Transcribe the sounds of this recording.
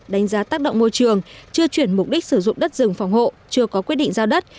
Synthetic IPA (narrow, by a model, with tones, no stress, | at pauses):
ɗa˨˦jŋ̟zaː˨˦t̪aː˦˥k̚ɗə̰˧˨wŋ͡mmo˧jt͡ɕɨ˨˩əŋt͡ɕɨ˧ət͡ɕwi˧˩ənmʊ˨˩k͡p̚ɗi˦˥k̚sɨ˧˩zʊ̰˧˨ŋ͡mɗə˦˥t̚zɨ˨˩˨ŋ͡mfa˨˩wŋ͡mho̰˧˨t͡ɕɨ˧əkɔ˨˦kwi˦˥t̚ɗḭ˧˨ŋzaː˧wɗə˦˥t̚